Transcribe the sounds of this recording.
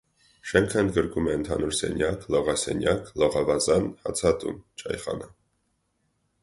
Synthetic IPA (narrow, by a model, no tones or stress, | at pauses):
ʃɛŋkʰəənd̪̚ɡəɾkumɛənt̪ʰɑnuɾsɛ̰njɑklɔʁɑsɛ̰njɑklɔʁɑvɑzɑnhɑ̰t͡sʰɑt̪ṵnt͡ʃʰɑjχɑ̰nə